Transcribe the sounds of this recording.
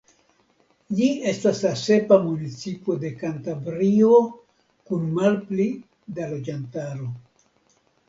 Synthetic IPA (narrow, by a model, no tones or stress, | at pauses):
lie̞staslase̞pamunit͡sipo̞de̞kantavɾio̞ | kunmalpli | dalo̞d͡ʒantaɾo̞